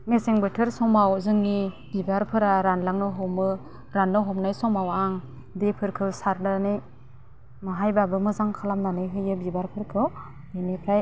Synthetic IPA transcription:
meseŋbɯtʰɯɾsɔŋmawzɯŋni | b̥ibaɾpʰɯɾaɾanlaŋnɯɦɔmɯ | ɾanːɯɦɔmnajsɔmawaŋ | depʰɯɾkʰɯwsaɾdanɯj | maɦajbabɯmɯzaŋkʰalamnanɯjɦɯjɯbibaɾpʰɯɾkʰɯw | denipʰɾaj

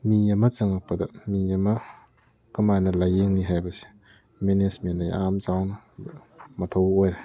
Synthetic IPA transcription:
miɐmɐt͡ʃɯŋak̚pɐdɐmiɐmɐ | kɯmajnɐlajeŋniɦajbɐse̥ | menesmenajamzawnɐ | mɐtʰowojɾe

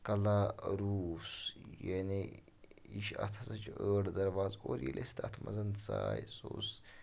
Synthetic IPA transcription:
kɐlaɾuːsjeni | iʃɐ̰t̪ʰɐsɐt͡ʃəːɽd̪ɐɾʋaːzoːɾjḭlʲʔest̪ʰɐt̪ʰmʔɐ̰zɐnt͡saːjsoːs

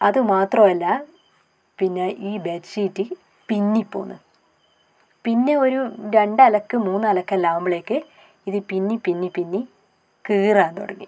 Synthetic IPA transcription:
ɐðɨmaːt̪rɐmɐlːɐ | pinːeʔiːbesijtːɨ | pinːipːo̰ːnːɨ̰ | pinːe̞o̞ɾuɾe̞ɳɖɨɐlɐkːɨmuːnːɐlɐkːɐlaːmbɐɭeːkːɨ | iðɨpinːipinːipinːi | kɨːraːent̪oɽɐŋːḭ

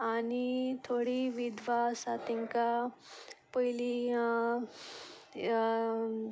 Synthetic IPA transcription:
anit̪ʰoɽiʋid̪ʱʋasat̪iŋka | pəjli

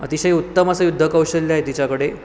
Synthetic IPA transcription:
ə̰t̪iɕəɦiut̪ːəməsəjud̪ʱːəkəwɕəlːjaɦet̪it͡ɕakəɽe

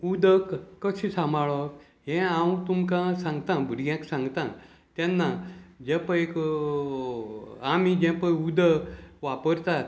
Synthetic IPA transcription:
ud̪əkːəɕĩsamaɭək | ɦẽãwt̪umkãsãŋɡt̪ãbʱəɾɡjãksãŋɡt̪ã | t̪janːad͡ʑẽpəek | amid͡ʑɛ̃pəud̪əʋapəɾt̪at̪

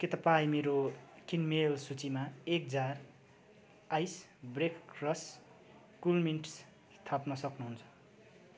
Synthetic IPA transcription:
ket̪ʌpaĩmeɾokinmelsut͡simaek̚d͡zar | ajsbrekkrʌs | kulminʈs | st̪ʰapnʌsʌknuɦunt͡sʰʌ̥

